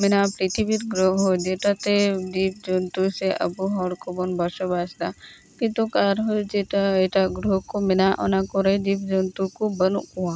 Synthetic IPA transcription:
mɪnapɾit̪ʰibit̪ɡɾoɦod͡ʒeʈat̪ed̪iːp̚d͡ʒont̪useʔɐ̰buɦɔɽkobɔnbəʃəbaːsd̪a | kit̪okaːɾɦod͡ʒeʈaeʈaɡɾokomɪnaʔo̰nakoɾed̪iːpd͡ʒont̪ukobənuʔkuã

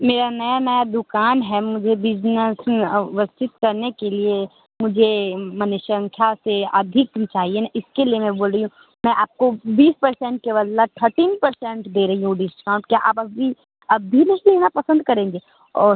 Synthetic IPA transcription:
meːɾanɐjanɐjad̪ʊkaːnɦɛmʊd͡ʒʱebɪd͡ʒnəsʋəst͡ʃɪt̪kɐɾnekelie | mʊd͡ʒʱemɐnɪʃə̃ŋkʰjaseɐd̪ʱɪkt͡ʃaːɦienaʔɪskeliemɛ̃boːlɾɐɦiɦũ | mɛ̃ʔaːp̚kobiːspɐɾsɛ̃ːɳʈ̚keʋɐd̪lat̪ʰəɾʈiːnpɐɾsɛ̃ɳʈd̪eːɾɐɦiɦũɖɪskaːʊ̃ɳʈkjaʔa̰ːpɐbi | ɐbʱinɐɦĩb̪enapɐsə̃nd̪̚kɐɾẽːŋɡeː | ɔːɾ

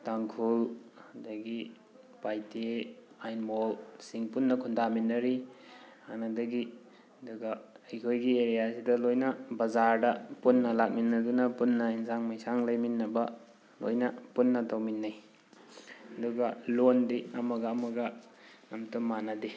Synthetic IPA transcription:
taŋkʰuladɐɡi | pajte | ajnmolsiŋpunːɐkʰundaminːɐɾiha̰nɐdɐɡi | ɐduɡa | ɐjkʰojɡieɾijasidɐlojnɐbɐzaɾdɐpunːɐlak̚minːɐdunɐpunːɐinsaŋmajsaŋlɐjminːɐbɐ | lo̰jnɐpunːɐtawminːaj | ɐduɡɐlondiɐmɐɡɐːmɐɡɐnɐmtumːanɐdi

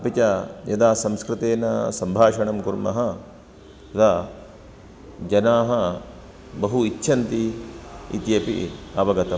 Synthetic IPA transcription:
ɐpit͡ʃɐjɐd̪aːsɐmskɾɪt̪eːnɐsɐmbʱaːʃɐɳɐmkuɾmɐ̰ɦɐ | t̪ɐd̪a | d͡ʒɐnaːɦɐ | bɐɦuitːʃʰɐnt̪i | ḭt̪ijɐpḭɐʋɐɡɐt̪ɐ

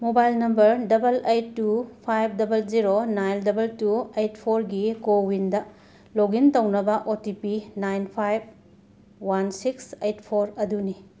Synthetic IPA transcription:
mobajlnɐmbɐɾdɐbɐlejtːupʰajp̚ʰdɐbɐld͡ʒiɾonajndɐbɐltuejtpʰoɾɡikowindɐ | loɡintɐwnɐbɐʔotipinajnpʰajb̚ | wansiksejtpʰoɾɐduni

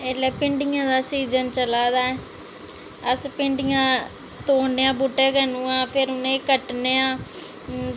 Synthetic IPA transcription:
elɛːpɪɳɖɪjãːd̪aːsiːzənt͡ʃəlaːd̪aːɛː | əspɪɳɖɪjãː | t̪oːneːãːbuʈːeːkənũːãːpʰɪɾʊnẽːkəʈneːãː

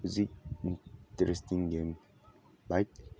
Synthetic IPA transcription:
uzik̚intɛɾɛstiŋɡem | bajk̚

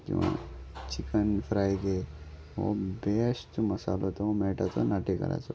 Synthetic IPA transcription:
kḭ̃ʋã̰t͡ʃikənpʰɾajɡe | o̰besʈmɐsalot̪oomeʈat̪onaʈikɐ̰ɾa̰t͡ʃʰo

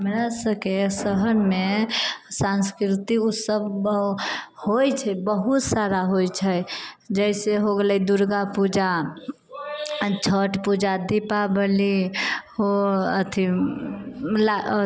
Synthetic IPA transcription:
ɦəmɾasəbkesəɦənme | sãnskɾɪt̪iusəb | hojt͡ʃʰɛbəɦut̪saɾaɦojt͡ʃʰɛd͡ʒəɪseɦoɡləid̪uɾɡapud͡ʒa | t͡ʃʰəʈpud͡ʒad̪ipabəliɦoət̪ʰi | la

